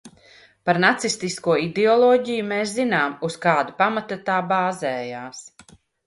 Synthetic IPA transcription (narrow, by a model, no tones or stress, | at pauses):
paɾnat̪sist̪iskuɔid̪ɛɔlˠɔːɟijumeːs̬zinaːmuskaːd̪upamat̪at̪aːbaːzɛːjaːs